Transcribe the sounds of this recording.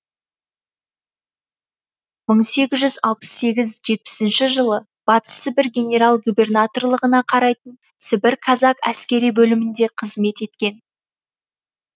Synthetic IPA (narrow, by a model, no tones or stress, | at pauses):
məɴse̞ɡʲɪzʒʏzɑ̰lˠpə̥sːe̞ɡʲɪzʒe̞t̪̚pɪ̥sɪnʃɪʒəlˠə | b̥ɑt̪ə̥səbɪɾɡʲe̞nʲe̞ɾalˠɡubʲe̞rnat̪o̞rlˠəʁənɑqʰɑɾɑjt̪ən | sɪbɪɾkʰɑzɑkæ̰skʲe̞ɾijbɵlɪmɪnd̪e̞qʰəzme̞t̪e̞t̪kʲe̞n